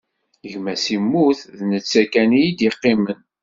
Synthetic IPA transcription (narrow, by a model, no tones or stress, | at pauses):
əʝmæsimːuθðnət͡sːækænijid̪jeqːɪmən